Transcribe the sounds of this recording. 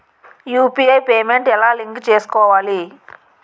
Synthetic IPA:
juːpiːejpeːmeɳʈɛlaːliŋkt͡ʃeːsu̥kɔːʋaːli

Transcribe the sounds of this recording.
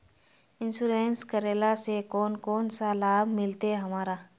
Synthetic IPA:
ɪ̃nsuɾeːnskəɾeːlasekɔːnkɔːnsalaːbʱmɪlt̪eɦɐmaːɾaː

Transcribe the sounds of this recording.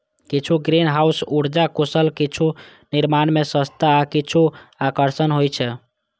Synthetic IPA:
kit͡ʃʰuɡɾinɦausuɽd͡ʒakosəlkit͡ʃʰu | niɾmanmesə̃st̪aːkit͡ʃʰuakəɾsənɦojt͡ʃʰɛ

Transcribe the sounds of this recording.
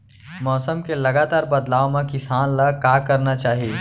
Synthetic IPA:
mɔːsəmkelɐɡaːt̪aːɾbɐd̪laːwmãkɪsaːnlakaːkɐɾnat͡ʃaːɦijeː

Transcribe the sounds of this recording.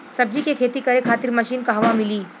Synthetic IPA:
sɐb̚d͡ʒikekʰeːt̪ikɐɾekʰaːt̪ɪɾmɐʃiːnkaɦʋãmɪliː

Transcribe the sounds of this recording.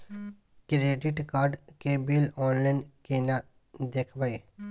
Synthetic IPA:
kɾeːɖɪʈkaːɾɖkebilɔːnlaːnkena | d̪eːkʰbae

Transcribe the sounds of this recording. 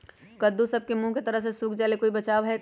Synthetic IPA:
kɐd̪usɐb̚kemũket̪ɐɾəɦsesuːkʰd͡ʒɛːlekoːibɐt͡ʃaːʋɦɛ

